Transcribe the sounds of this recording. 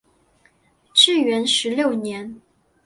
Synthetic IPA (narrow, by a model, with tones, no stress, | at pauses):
ʈ͡ʂɻ̩˥˩ɥɛ˧˥nʂɻ̩˧˥ljo˥˩ʊnjɛ˧˥n